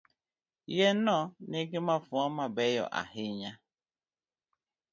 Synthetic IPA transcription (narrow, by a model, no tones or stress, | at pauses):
jenɔneɡemafʊɔmabɛjɔ̰ʔa̰ɦɪɲa